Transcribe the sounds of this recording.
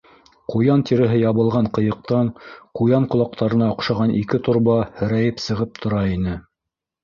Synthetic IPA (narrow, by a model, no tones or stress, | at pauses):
qujɑnt̪iɾɘ̆ɦɘjɑβɤ̆lˠʁɑɴqɤ̆jɤ̆q̚t̪ɑɴqujɑɴqŏlˠɑq̚t̪ʰɑɾɤ̆nɑŏqʃɑʁɑnʔikɘt̪ŏɾβɑhɘ̆ɾæjɘpsɤ̆ʁɤp̚t̪ʰŏɾɑinɘ